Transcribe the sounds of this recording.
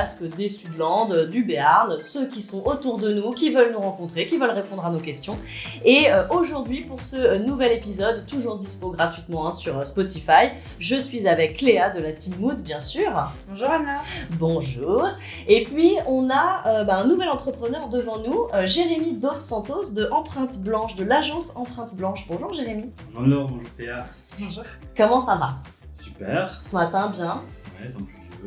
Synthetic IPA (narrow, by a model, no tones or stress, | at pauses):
askəd̪esyd̪lɑ̃d̪d̪ybeɛaʁnsøkʲisɔ̃ʔot̪uʁd̪ənukʲivœlnuʁɑ̃kɔ̃t̪χekʲivəlʁepɔ̃d̪ʁanokʲɛst̪jɔ̃eøʔoʒuʁd̪ɥipuʁsənuvɛlepizɔd̪t̪ːuʒuʁd̪ispoɡʁat̪ɥit̪mɑ̃ɛ̃syʁøspɔt̪ifaj | ʒəsɥizavɛkʰːlead̪əlat̪immud̪bjɛ̃syːʁ̃ | ʒnbɔ̃ʒuːʁ | epɥiɔ̃naøbaɛ̃nuvɛlɑ̃t̪χəpχənœʁd̪əvɑ̃nuøʒeʁemid̪osːɑ̃t̪osd̪əʔɑ̃pχɛ̃t̪blɑ̃ʃd̪əlaʒɑ̃sɑ̃pχɛ̃t̪blɑ̃ʃbɔ̃ʒuʁʒeʁemĩ | ʒɔbɔ̃ʒuʁkleã | kɔmɑ̃sava | sy̥pɛʁsəmat̪ɛ̃bjɛ̃wɛt̪ɔ̃